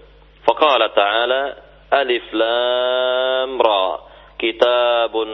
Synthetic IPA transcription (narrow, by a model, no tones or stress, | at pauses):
fɑqɑːlat̪aʕaːla | ʔalɪflaː | mɾˤɑː | kɪt̪aːb